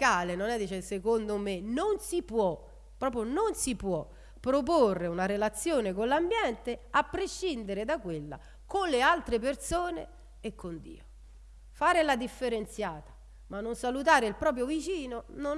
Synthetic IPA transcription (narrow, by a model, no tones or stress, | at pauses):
aːlenonɛd̪iːt͡ʃesekond̪omenonsipwɔ | pːɾɔːp̬ɾjononsipwɔ | pːɾop̬orːeunaɾelat̪sːjoːnekonlambjɛnt̪eapːɾeʃːind̪eɾed̪akːwelːa̰ | konlealt̪ɾepersoːnḛ | ekːond̪ḭːo | faːɾelad̪ifːeɾent̪sjaːt̪ḁ | manːonsalut̪̬aːɾeilpɾɔːp̬ɾjovit͡ʃiːnono